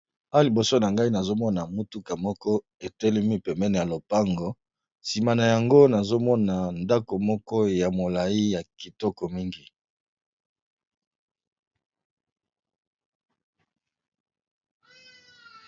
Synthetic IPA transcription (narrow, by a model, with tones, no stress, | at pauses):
a˦li˨bo˨so˦na˨ŋɡa˦i˦na˨zo˦mɔ˦na˨mu˦tu˦ka˨mɔ˦kɔ˦ | e˨tɛ˦lɛ˦mi˦pɛ˨mbɛ˦ne˨ja˨lo˨pa˦ŋɡɔ˨ | si˨ma˨na˨ja˨ŋɡo˦na˨zo˦mɔ˦na˨nda˦ko˨mɔ˦kɔ˦ja˨mo˨la˨i˦ja˨ki˨tɔ˦kɔ˨mi˦ŋɡi˨